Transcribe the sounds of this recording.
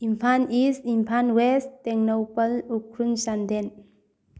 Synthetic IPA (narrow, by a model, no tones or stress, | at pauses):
impʰanistimpʰanwestteŋnowpəlukʰɾunsand̪en